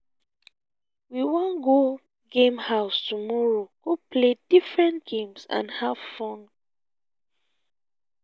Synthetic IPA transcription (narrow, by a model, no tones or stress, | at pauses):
wiwɔ̃nɡo | ɡẽmhaʊstumɔɹoɡ̥opʰledifɹɛ̃ntɡẽmsã̰nhavfɔ̃n